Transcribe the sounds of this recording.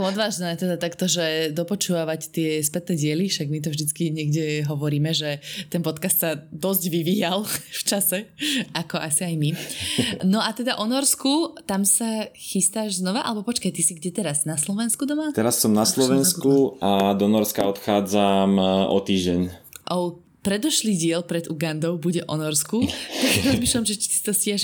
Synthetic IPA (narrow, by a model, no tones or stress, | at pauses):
ɔd̪ʋaːʒnɛːt̪ɛd̪at̪akt̪ɔʒɛd̪ɔpɔt͡ʃuːʋaʋact̪ɪɛspɛt̪nɛɟɪɛliʃaɡmit̪̬ɔvʒd̪it͡skiɲɛɡɟɛɦɔʋɔɾiːmɛʒɛt̪ɛnpɔt̪kast̪sad̪ɔzɟʋiʋiːjalˠft͡ʃasɛʔakɔʔasiajmi | nɔʔat̪ɛd̪aʔɔnɔɾskut̪amsaxist̪aːʒznɔʋaʔa̰lɛbɔpɔt͡ʃkajt̪isiɡɟɛt̪ɛɾaznaslɔʋɛnskud̪ɔmat̪ɛɾasːɔmnaslɔʋɛnskuad̪ɔnɔɾskaɔt̪xaːd͡zamʔɔ̰t̪iːʒɟɛɲʔɔʊ | pɾɛd̪ɔʃliːɟɪɛlpɾɛd̪uɡand̪ɔʊbuɟɛʔɔnɔɾskuaɡɾɔzmiːʃlamʒɛt͡ʃi̥sist̪ɔscɪɛʃ